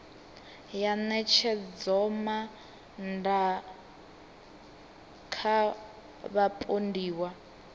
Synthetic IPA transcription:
janɛt͡ʃʰɛd͡zɔma | nda | kʰa | βapʼondiːwa

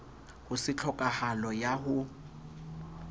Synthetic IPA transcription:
hʊsɪt͡ɬʰɔkʼahalɔjahʊ

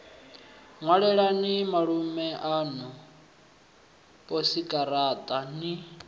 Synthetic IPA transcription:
ŋwaɺɛɺanimaɺumɛʔanu | pʼosikʼaɾaːt̪ʼani

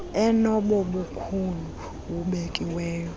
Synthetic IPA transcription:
ɛnɔɓɔɓukʰulu | wuɓekʼiwɛːjɔ

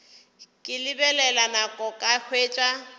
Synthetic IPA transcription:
kʼɪlɪbɛlɛlanakʼɔkʼahʰweːt͡ʃʼa

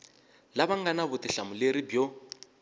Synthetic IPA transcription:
laβaŋɡanaβʊtiɬamuleɾibjɔ

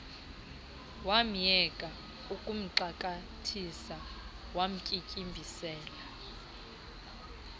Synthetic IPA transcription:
wam̩jɛkʼa | ukʼum̩ǃakʼatʰisa | wam̩kʼikʼimbʱisɛːla

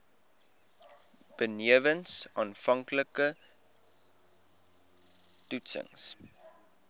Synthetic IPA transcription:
b̥əniəvənsɑːnfɐŋkləkə | tutsə̰ŋs

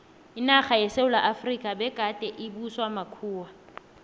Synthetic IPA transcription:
ɪnaχajɛseʊlaʔafrikʼabɛkʼatʼɛʔɪbuswamakʰuːwa

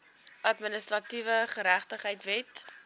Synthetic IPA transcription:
ʔɐtmənəstrɐtivəχəɾæχtəχɦəjtvɛt

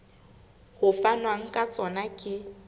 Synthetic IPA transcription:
hʊfanwaŋ̩kʼat͡sʼɔnakʼɪ

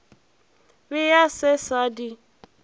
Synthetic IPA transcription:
bɪjasɛsadi

